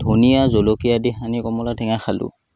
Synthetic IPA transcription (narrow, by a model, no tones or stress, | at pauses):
dʱunijazolokijadiɦanikɔmɔlatʰɛŋaxalʊ̰